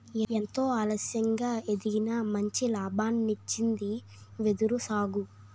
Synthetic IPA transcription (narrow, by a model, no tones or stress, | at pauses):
ent̪o̞ːaːlɐsjɐŋɡaːe̞d̪iɡinɐmɐɲt͡ʃilaːbaːnːit͡ʃːind̪i | ʋed̪uɾusaːɡu